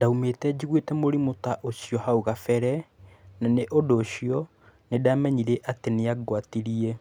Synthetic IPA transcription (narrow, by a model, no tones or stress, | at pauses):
daumetɛd͡ʑiɣwetɛmoɾimotaʔosjɔhauɣafɛɾɛnaneʔodoːɕiɔ | nedamɛɲiɾeʔateneaɡwatiɾiɛ